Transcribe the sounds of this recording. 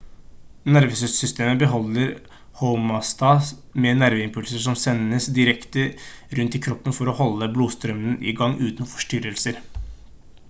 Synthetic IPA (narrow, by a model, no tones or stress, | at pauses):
næɾʋəsəssʏst̪eːməbəɦɔlːəɾ | hɔmɑst̪ɑːs | mɛnæɾʋəɪmpʰʉlsəʂɔmsɛnəsd̪ɪɾɛkt̪əɾʉnt̪ɪkʰɾɔpːənfɔɾɔhɔlːəbluːst̪ɾœmənʔɪ̰ɡɑŋːʔʉːt̪nfɔ̥ʂʈʏɾəlsəɾ